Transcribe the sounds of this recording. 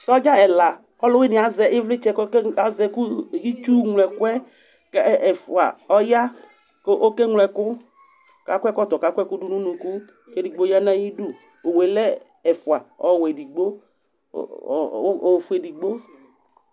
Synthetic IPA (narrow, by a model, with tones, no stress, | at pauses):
sɔ˦d͡ʒa˦ɛ˨la˨ | ɔ˦lʊ˦we˦nĩ˨a˨zɛ˨ʔe˦vlɪ˦t͡ʃɛ˦ka˨zɛ˨ku˦i˦t͡ʃu˦ŋlɛ˨kwɛ˦ | kɛ˦ɛ˨fu˨a̰˨ɔ˦ja˦ | ko˦ʔo˦ke˦ŋlɛ˨kʊ˦ | ka˨kʷɛ˦kɔ˦t̪ɔ˨ka˦kʷɛ˦ku˦du˦nũ˦nũ˨ku˦ | ke˦di˨ɡ͡bo˦ja˦nã˦ji˦du˦ | o˨we˨lɛ˦ | ɛ˨fu˨a˨ɔ˨we˨di˨ɡ͡bo̰˦˨˦ | o˨fu˦e˨di˨ɡ͡bo˦